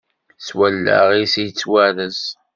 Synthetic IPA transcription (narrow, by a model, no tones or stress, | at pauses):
swælːæ̰ʁisijt͡sːwæɾəz